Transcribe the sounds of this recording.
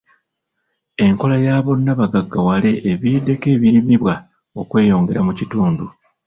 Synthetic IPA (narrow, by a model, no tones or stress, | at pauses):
e̞ŋko̞lajaːβo̞nːaβaɡaɡːawale̞ʔːβiːde̞ke̞ːβiɾimiβwa | o̞kwe̞ːjo̞ːŋɡe̞ɾamucituːndu